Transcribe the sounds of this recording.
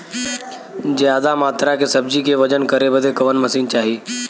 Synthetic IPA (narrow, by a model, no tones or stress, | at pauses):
d͡ʑeaːd̪amaːt̪ɾakʰeːsɐb̚d͡ʑikʰeʋɐd͡ʑənkɐɾebɐd̪ʱekɐʋənmɐsiːnt͡ɕaːɦiː